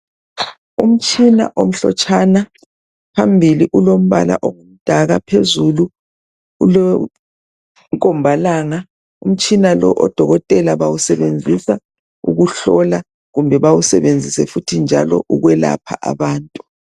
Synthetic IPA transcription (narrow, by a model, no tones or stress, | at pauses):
um̩t͡ʃʼina̰ʔom̩ɬɔ̰t͡ʃʰʼana | pʰambʱiliʔulom̩βala̰ʔoɣum̩d̥ʱaɣapʰezulu | ulɔ | ŋkʼɔmbʱalaːŋa | um̩t͡ʃʼinalɔʔɔd̥ʱɔɣɔtʼɛlaβawusɛβend͡zʱisa | ṵɣuɬɔla | ɣumbʱɛβawusɛβend͡zʱisɛfutʰind͡ʒʱalɔ̰ʔuɣwɛla̰pʰa̰ʔa̰βaːntʼu̥